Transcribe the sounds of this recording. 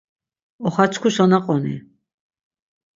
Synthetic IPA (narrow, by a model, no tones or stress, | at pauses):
ɔχat͡sʰkʰusɔnaqʼɔnḭ